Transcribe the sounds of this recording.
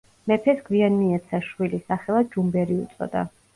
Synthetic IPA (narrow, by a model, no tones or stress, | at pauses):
mɛpʰɛsɡwianmiɛt̪sʰaʃwilisaχɛlˠad͡ʒumbɛɾiṵt̪sʼɔ̰d̪̥a̰